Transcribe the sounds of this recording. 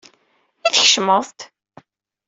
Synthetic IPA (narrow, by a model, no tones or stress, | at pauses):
iθəçʃməðˤt̪